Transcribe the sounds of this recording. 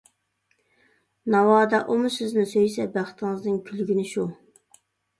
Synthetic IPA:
nɑwɑːd̪ɑʔomusɪznɪsøjsɛbæχt̪ɪŋɨznɪŋkʲʰylɡʲinɪʃu

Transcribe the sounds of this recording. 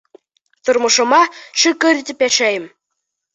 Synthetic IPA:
t̪ŏrmɤ̆ʃɤ̆mɑʃykɘ̆ɾʲt̪ʲɘpjæʃæjɘ̆m

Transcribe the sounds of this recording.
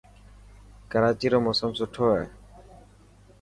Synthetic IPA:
kəɾaːt͡ʃiːɾoːmosəmsʊʈʰːoːɛː

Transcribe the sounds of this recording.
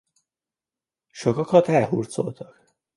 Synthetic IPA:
ʃokɒkɒt̪ɛlɦurt̪so̞̰lt̪ɒk

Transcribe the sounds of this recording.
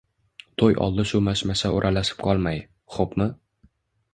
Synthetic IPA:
t̪ʰojʔɒ̰lˠd̪ɪʃʊmaʃmasaʊɾʔalasɪ̥p̚qʰɒlˠmaj | χopmɪ

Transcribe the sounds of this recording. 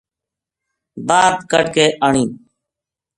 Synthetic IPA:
baːd̪kəɖkeːʔəɳiː

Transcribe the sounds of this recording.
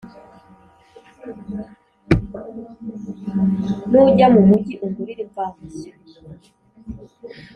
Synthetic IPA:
nuɟamumuɟiʔuŋɡuɾiɾipamue

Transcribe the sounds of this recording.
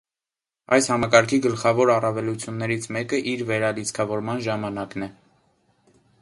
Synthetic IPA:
ɑjshɑmɑkɑɾkʰiɡəlχɑvɔɾɑrɑvɛlut͡sʰjunːɛɾit͡sʰmɛkəʔiɾvɛɾɑlit͡sʰkʰɑvɔɾmɑnʒɑmɑnɑknɛ

